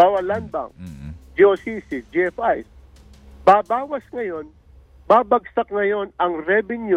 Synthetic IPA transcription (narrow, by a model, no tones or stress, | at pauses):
aːwɐlanbɐ̰ŋd͡ʒiosisɪd͡ʒiɛfajs | baːbaːwɐsŋɐjo̞n | baːbɐɡsɐk̚ŋɐjo̞nɐŋɾɛbɪnjʊ